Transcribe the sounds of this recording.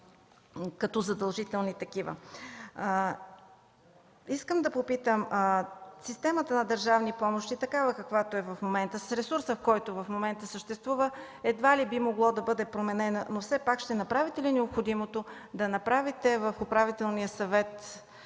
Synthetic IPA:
kɐt̪ɔzɐd̪ɐlˠʒit̪ɛlˠnit̪ɐkivə̰ | iskəmd̪ɐpopit̪əm | sist̪ɛmət̪ənɐd̪əɾʒavnipɔmoʃt̪it̪ɐkavəkɐkvat̪oɛvɐfmomɛnt̪əsɾɛsuɾsəfkɔjt̪ovɐfmomɛnt̪əsəʃt̪ɛst̪vuvə | ɛd̪valibimoɡlˠɔd̪ɐbɤd̪ɛpɾomɛnɛnənofsɛpakʃt̪ɛnɐpɾavit̪ɛlinɛopxod̪imot̪od̪ɐnɐpɾavit̪ɛvəfʊpɾavit̪ɛlˠnijəsɐvɛt̪

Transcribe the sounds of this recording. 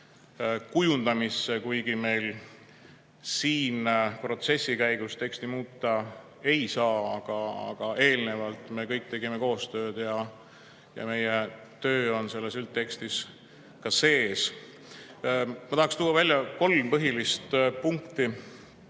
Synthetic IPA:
kujund̪̥ɑmisːekujɡime̞jl | siːnpro̞t̪se̞sːikæjɡ̥ust̪e̞kst̪imuːt̪ːˑɑ | e̞jsɑːɑɡ̥ɑɑ̰ɡ̥ɑe̞ːlne̞vɑlt̪ˑme̞kɤjk̚t̪e̞ɡimeko̞ːst̪ø̞ːd̪̥jɑ | jɑ̰me̞je | t̪ø̞ːo̞nse̞lːe̞sylt̪ːe̞kst̪is | kɑse̞ːs | mɑt̪ɑhɑkst̪uːwːɑvælʲjɑko̞lmpɤɦilist̪puŋkt̪i

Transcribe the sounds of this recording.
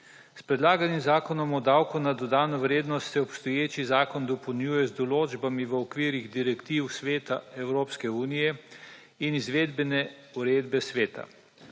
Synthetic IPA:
spɾɛd̪laːɡanimzaːkɔnɔmɔd̪aːwkɔnad̪ɔd̪aːnɔʋɾeːd̪nɔst̪sɛɔpst̪ɔjeːt͡ʃizaːkɔnd̪ɔpɔwnjuːjɛzd̪ɔloːd͡ʒbamiʋəɔkʋiːɾiɣd̪iɾɛkt̪iwsʋeːt̪aɛwɾoːpskɛuːnijɛ | inizʋeːd̪bɛnɛ | uɾeːd̪bɛsʋeːt̪a̰

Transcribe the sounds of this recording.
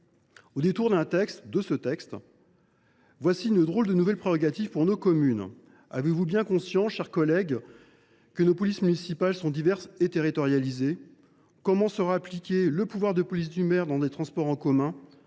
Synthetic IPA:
od̪et̪uʁd̪ɛ̃t̪ɛkst̪d̪əsət̪ɛkst̪ | vwasiynəd̪ʁold̪ənuvɛlpχeʁɔɡat̪ivpuʁnokɔmyn | avevubjɛ̃kɔ̃sjɑ̃sʃɛʁkɔlɛɡ | kənopɔlismynisipalsɔ̃d̪ivɛʁset̪eʁit̪ɔʁjalize | kɔmɑ̃səʁaːplikʲeləpuvwaʁd̪əpɔlis̬d̪ymɛʁd̪ɑ̃d̪et̪χɑ̃spɔʁɑ̃kɔmɛ̃

